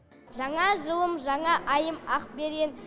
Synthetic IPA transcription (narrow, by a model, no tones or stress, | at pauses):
ʒɑɴɑʒəlˠəmʒɑɴɑʔɑjəmɑq̚be̞ɾɡʲen